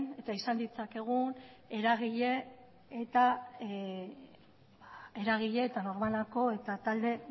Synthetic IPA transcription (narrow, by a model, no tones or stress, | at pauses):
ne̞t̪aisand̪it͡sake̞ɣ̞un | e̞ɾaɣ̞iʎe̞ː | t̪a | bae̞ɾaɣ̞iʎe̞ːt̪ano̞ɾmalako̞e̞t̪at̪ald̪e̞